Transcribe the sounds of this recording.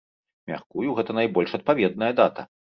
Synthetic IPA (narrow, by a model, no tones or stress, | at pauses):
mʲa̰xkujuɣɛt̪ɐnajbɔlʲʂɐt̪̚pavʲɛd̪̚nɐjɐd̪at̪ɐ̰